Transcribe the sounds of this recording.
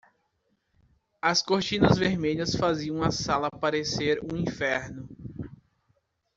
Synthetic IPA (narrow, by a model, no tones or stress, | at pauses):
ɐskoɾt͡ʃĩnɐzveɾmeʎɐsfaziɐ̃w̃ɐsalɐpaɾeseɾũĩfɛɾnʊ